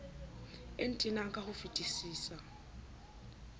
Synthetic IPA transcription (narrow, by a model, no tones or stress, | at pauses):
entʼinaŋ̩kʼahufitʼisiːsa